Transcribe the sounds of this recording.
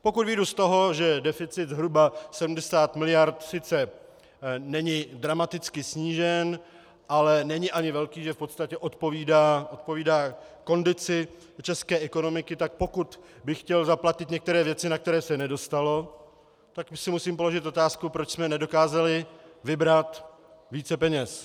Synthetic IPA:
po̞kud̪vɪdust̪o̞ɦo̞ʒɛdɛfɪt͡sɪt̪zɦɾubasɛdm̩dɛsaːt̪mɪlɪjaɾt̪sɪt͡sɛ | nɛɲɪdɾamat̪ɪt͡skɪsɲiːʒɛn | ʔalɛnɛɲɪʔaɲɪvɛlkiːʒɛfpo̞t̪st̪acɛʔo̞t̪po̞viːdaːʔo̞t̪̚po̞viːdaːko̞ndɪt͡sɪ | t͡ʃɛskɛːʔɛko̞no̞mɪkɪt̪ak̚po̞kut̪ | bɪxːcɛlzaplacɪt̪ɲɛkt̪ɛɾɛːvjɛt͡sɪnak̚t̪ɛɾɛːsɛnɛdo̞st̪alo̞ | t̪aksɪmusiːmpo̞lo̞ʒɪt̪ʔo̞t̪aːskupɾot͡ʃsmɛnɛdo̞kaːzalɪvɪbɾat̪ | viːt͡sɛpɛɲɛs

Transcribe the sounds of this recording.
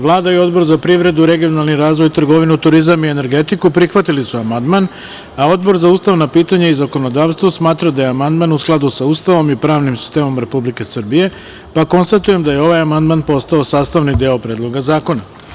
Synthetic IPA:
ʋlˠaːd̪aio̞d̪bo̞ɾzapɾiʋɾe̞d̪uɾe̞ɡijo̞nalˠniɾaːzʋo̞jt̪r̩ɡo̞ʋinut̪uɾizamiene̞ɾɡe̞t̪ikupɾixʋat̪ilisuamand̪man | ao̞d̪bo̞ɾzauːst̪aʋnapiːt̪aɲaizako̞no̞d̪aːʋst̪ʋosmaːt̪ɾad̪aje̞amand̪manusklˠad̪usaust̪aʋo̞mipɾaːʋnimsi̥st̪e̞ːmo̞mɾe̞publike̞sr̩bije̞ | pako̞nst̪at̪uje̞md̪aje̞o̞ʋajamand̪manpo̞st̪aosaːst̪aʋnid̪eopɾe̞ːd̪lˠo̞ɡazaːko̞na

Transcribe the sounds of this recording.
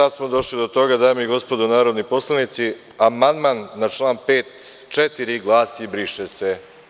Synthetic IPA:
sad̪smod̪o̞ʃlid̪ot̪o̞ɡad̪aːjemiɡo̞spod̪onaːɾod̪nipo̞slˠanit̪si | amand̪manːat͡ʂlˠaːnpeːt̪t͡ʃɛt̪iɾiɡlˠaːsibɾiʃese

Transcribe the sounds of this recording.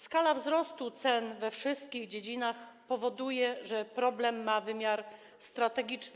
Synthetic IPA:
skalavzɾɔst̪ut̪sɛnvɛfʂɘst̪̚kʲiɣd͡ʑed͡ʑinaxpɔvɔd̪ujɛʐɛpɾɔblɛmːavɘmʲjaɾ | st̪ɾat̪ɛɡʲit͡ʂn

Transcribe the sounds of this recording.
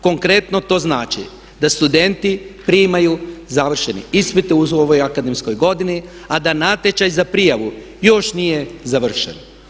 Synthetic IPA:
ko̞ŋkɾe̞t̪no̞t̪o̞ːznaːt͡ʃḭ | d̪ast̪ud̪e̞nt̪ipɾiːmajuzaʋr̩ʃe̞niispit̪euoʋojakad̪emsko̞jɡo̞d̪iniad̪anat̪et͡ʃajzapɾijaʋu | jo̞ʃnije̞zaʋr̩ʃḛn

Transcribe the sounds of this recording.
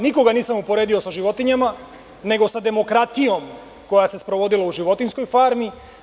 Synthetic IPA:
niko̞ɡaniːsamupo̞ɾeːd̪io̞saʒiʋo̞t̪iɲama | ne̞ɡo̞sad̪e̞mo̞kɾat̪ijo̞m | ko̞jase̞spɾo̞ʋo̞d̪ilauʒiʋo̞t̪insko̞jfaːɾmi

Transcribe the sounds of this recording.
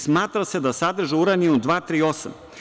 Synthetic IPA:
smaːt̪ɾase̞d̪asad̪r̩ʒeuɾaniud̪ʋaːt̪ɾiːo̞sa̰m

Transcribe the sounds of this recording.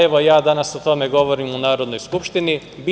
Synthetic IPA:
eʋo̞jaːd̪anaso̞t̪o̞me̞ɡo̞ʋo̞ɾiːmunaːɾo̞d̪no̞jskupʃt̪ini | bi

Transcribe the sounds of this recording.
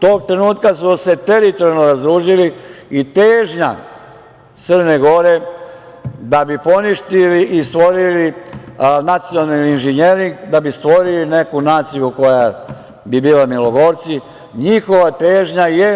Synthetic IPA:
t̪oːɡt̪ɾe̞nuːt̪kasuse̞t̪e̞ɾit̪oɾjalnoɾazd̪ɾuːʒiliit̪eːʒɲa | t̪sər̩ne̞ɡo̞ɾe̞ | d̪abipo̞niʃt̪iliʔist̪ʋo̞ɾili | nat̪sijonalniinʒiɲeːɾiŋɡd̪abist̪ʋo̞ɾiline̞kunaːt̪sijuko̞ja | bibiːlamiloɡo̞ɾt̪si | ɲixo̞ʋat̪e̞ːʒɲaje̞

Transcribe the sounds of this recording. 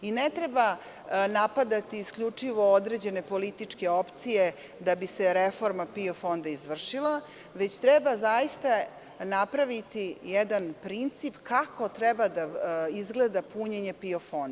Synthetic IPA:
inet̪ɾeba | napad̪at̪iːskʎut͡ʂiʋo̞od̪ɾed͡ʑe̞ne̞po̞lit̪it͡ʂke̞o̞pt̪sije̞ | d̪abise̞ɾefo̞ɾmapio̞fo̞nd̪aizʋr̩ʂilˠa | ʋe̞t͡ɕt̪ɾɛbazajist̪a | napɾaʋit̪ijɛd̪anpɾint̪sipkakʰo̞t̪ɾebad̪aizɡle̞d̪apuɲeɲe̞piofo̞nd̪

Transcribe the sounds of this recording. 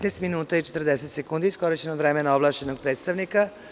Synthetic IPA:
t̪nɛst̪minuːt̪ait͡ʃet̪r̩d̪eset̪sekuːnd̪iskoɾit͡ɕenod̪vɾemenaoblˠaːʃt͡ʃenoɡ̚pɾeːt̪st̪aʋnika

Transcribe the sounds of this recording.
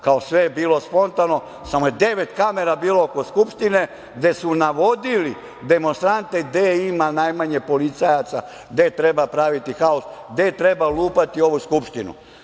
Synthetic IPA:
kao̞sʋebiːlo̞spo̞nt̪ano̞ | samo̞jed̪e̞ʋe̞t̪kame̞ɾabiːlooko̞skupʃt̪ine̞ | ɡd̪e̞sunaʋo̞d̪ili | d̪e̞mo̞nst̪ɾant̪e̞d̪eimanajmaɲepo̞lit̪sajat̪sa̰ | d̪et̪ɾe̞bapɾaʋit̪ixaosd̪et̪ɾe̞baluːpat̪io̞ʋuskupʃt̪inṵ

